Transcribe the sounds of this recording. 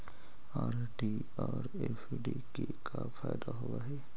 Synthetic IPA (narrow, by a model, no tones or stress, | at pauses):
aːɾ | ɖi | ɔːɾ | eːf | ɖikekʰafaːjd̪aɦʊaɦɛː